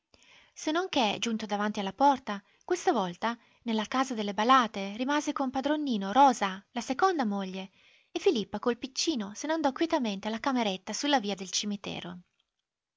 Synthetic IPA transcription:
senːoŋk̟ed͡ʒunt̪od̪avant̪ialːapɔrt̪a | kwest̪avɔlt̪a | nelːakaːzad̪elːebalaːt̪eɾimaːzekompad̪ɾonːiːnoɾɔːzalasekond̪amoʎːe | efːilipːakolpit͡ʃːiːnoseneand̪ɔkːwjɛt̪ament̪ealːakameɾet̪ːasulːaviːad̪elt͡ʃimit̪ɛ̰ːɾo

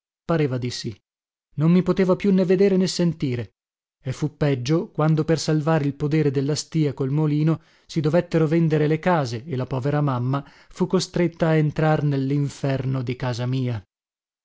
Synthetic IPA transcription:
paɾeːvad̪isi | nomːipot̪eːvapjunːeved̪eːɾenesːent̪iːɾe | efːupːɛd͡ʒːokwand̪opersalvaːɾeilpod̪ɛːɾed̪elːast̪iːakolmoliːno | sid̪ovet̪ːeɾovɛnd̪eɾelekaːzeːlapɔːveɾamamːa | fukːost̪ɾet̪ːaːent̪ɾarnelːiɱfɛrnod̪ikaːzamiːa

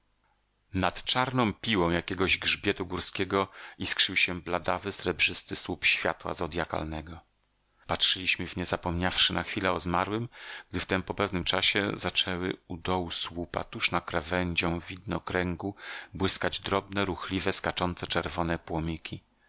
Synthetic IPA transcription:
nat̪t͡ʂaɾnɔ̃w̃pʲiwɔ̃w̃jakʲɛɡɔʑɡʐbʲjɛt̪uɡuɾskʲɛɡɔiskʂɘwɕɛblad̪avɘsɾɛbʐɘst̪ɘswupɕfʲja̰t̪wa̰zɔd̪jaka̰lnɛɡɔ | patʂɘlʲiɕmɘvɲɛzapɔmɲafʂɘnʔaxfʲilɛɔzmaɾwɘmɡ̥̚d̪ɘft̪ɛmpɔpɛvnɘmt͡ʂaɕɛ̰zat͡ʂɛwɘ̰ud̪ɔwuswupa̰t̪uʂnakɾɛvɛɲd͡ʑɔ̃w̃vʲid̪nɔkɾɛŋɡubwɘskad͡ʑd̪ɾɔbnɛɾuxlʲivɛskat͡ʂɔnt̪sɛt͡ʂɛɾvɔnɛpwɔmʲikʲi

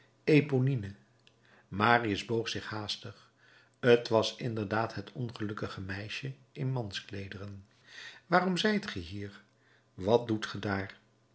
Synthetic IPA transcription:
ejponinə | maːriəzbowχsɪχhaːstəχ | ətʋɑsɪndəɹdaːtɦətʰɔnχəlɵkəχəmɛjʃəɪnmɑnsklejdərən | ʋaːrɔmzɛjtχəɦiːɹ | ʋɑt̚dutχədaːɹ

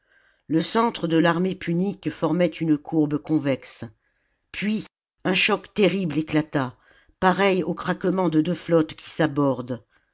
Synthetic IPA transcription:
ləsɑ̃t̪χəd̪əlaʁmepʰynikfɔʁmɛt̪ʰynəkʰuʁbkɔ̃vɛks | pʰɥi | ɛ̃ʃɔkt̪eʁibleklat̪a | paʁɛjokχakmɑ̃d̪əd̪øflɔt̪kʲʰi̥sabɔʁd̪

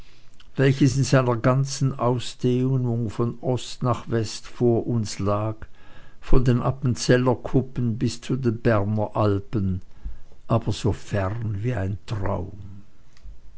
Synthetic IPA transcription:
vɛlçəsɪnzaɪnɐɡant͡sn̩ʔaʊsd̥eːʊnʊŋfɔnʔɔstnaːχvɛstfoːɐʔʊnslaːkfɔndeːnʔapən̩t͡sɛlɐkʰʊpənbɪst͡sudeːnbɛʁnɐʔalpən | ʔaːb̥ɐz̥oːfɛʁnviːa̰ɪntʁ̥a̰ʊm

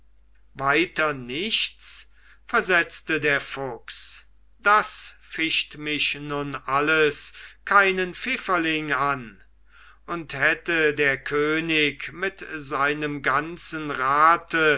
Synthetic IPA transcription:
vaɪtɐnɪʃtt͡s | fɛɐzɛt͡stədeːɐfʊks | d̥asfɪʃtmɪʃnʊnʔaləskʰaɪnənfɪfɐlɪŋan | ʔʊnthɛtədeːɐkʰøːnɪkmɪtzaɪnəmɡant͡sənʁaːtʰə

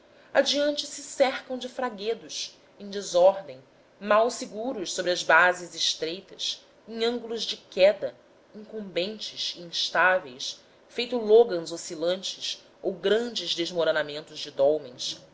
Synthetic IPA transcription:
ad͡ʒiɐ̃nt͡ʃɪsɪsɛɾkɐ̃w̃d͡ʒɪfɾaɡed̪ʊs | ẽj̃d͡ʒɪzɔɾd̪ẽj̃ | mawsiɡuɾʊʃsobɾɪɐzbazɪzɪʃt̪ɾejt̪ɐs | ẽŋɐ̃ŋɡulʊzd͡ʒɪkɛd̪ɐ | ĩŋkõmbẽnt͡ʃɪʃiĩʃt̪avejs | fejt̪uloɡɐ̃zosilɐ̃nt͡ʃɪs | owɡɾɐ̃nd͡ʒɪzd̪ezmoɾonamẽnt̪ʊzd͡ʒɪd̪ɔwmẽs

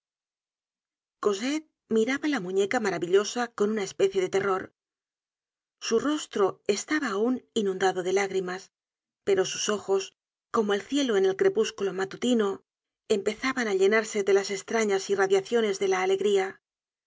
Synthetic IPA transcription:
ko̞set̪̚ | miɾaβalamũɲe̞kamaɾaβiʎo̞sako̞nunae̞spe̞θje̞ðe̞t̪e̞ro̞ɾ | suro̞st̪ɾo̞e̞st̪aβaːuninũnd̪aðo̞ðe̞laɣɾimas | pe̞ɾo̞suso̞xo̞s | ko̞moelθje̞lo̞e̞ne̞lkɾe̞puskulo̞mat̪ut̪ino̞ | e̞mpe̞θaβanaʎe̞naɾse̞ðe̞lase̞st̪ɾaɲasiraðjaθjo̞ne̞zðe̞laːle̞ɣɾia

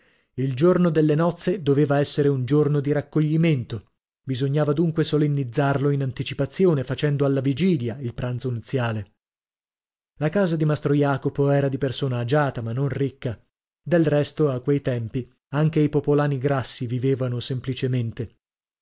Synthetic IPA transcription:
ild͡ʒornod̪elːenɔt̪sːed̪oveːvaɛsːeɾeund͡ʒornod̪iɾakːoʎːiment̪o | bizoɲːaːvad̪uŋkwesolenːid̪zːarloinant̪it͡ʃipat̪sːjoːnefat͡ʃɛnd̪oalːavid͡ʒiːljailpɾant̪sonut̪sːjaːle | lakaːzad̪imast̪ɾojaːkopoɛːɾad̪ipersoːnaːd͡ʒaːt̪amanːonrikːa | d̪elrɛst̪oakːwejt̪ɛmpi | aŋk̟eipopolaːniɡɾasːiviveːvanosemplit͡ʃement̪e

